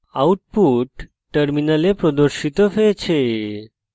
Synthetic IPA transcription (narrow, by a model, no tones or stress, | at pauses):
auʈ̚puʈː | əɾminalepɾɔd̪əɾʃit̪ɔfet͡ɕʰe